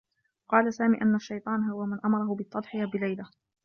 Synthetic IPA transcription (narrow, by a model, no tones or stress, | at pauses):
qɑːlasaːmḭːʔanːaʃːajt̪ˤɑːnɦʊwamanʔamɑɾˤɑhʊbɪt̪ˤːɑd̪ˤħɪjabɪlajla